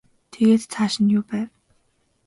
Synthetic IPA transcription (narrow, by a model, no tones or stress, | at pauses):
t̪ʰeɣeːt̪t͡sʰaːʃɪ̆njʊːpæːw